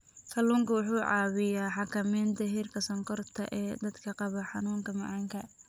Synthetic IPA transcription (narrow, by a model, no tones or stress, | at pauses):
k̪ʰɐluːŋkɐwʊħuːʕɑ̰ːwɪjaːħɑkʰɐmɛːnt̪ʰɐɦiːrkʰɐsɐŋkʰɔrt̪ʰɐ̰ʔɛːd̪ɐd̪kʰɐqɑβɐħɑnuːŋkʰɐmɑ̰ʕɑːŋkʰɐ